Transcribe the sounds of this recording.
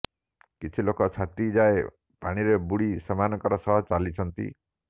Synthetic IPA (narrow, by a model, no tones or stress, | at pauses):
kit͡ʃʰilokɔt͡ʃʰat̪id͡ʒae | paɽ̃iɾebuɽisɔmanɔkɔɾɔsɔɦɔt͡ʃalit͡ʃʰɔnt̪ḭ